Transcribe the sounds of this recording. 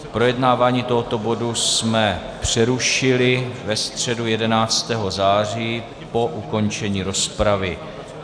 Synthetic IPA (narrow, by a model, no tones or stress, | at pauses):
pɾo̞jɛdnaːvaːɲiːt̪oɦo̞t̪o̞bo̞dusmɛ | pr̝̥ɛɾuʃɪlɪvɛst̪r̝̥ɛdujɛdɛnaːt͡st̪ɛːɦo̞zaːriː | po̞ʔuko̞nt͡ʃɛɲiːɾo̞spɾavɪ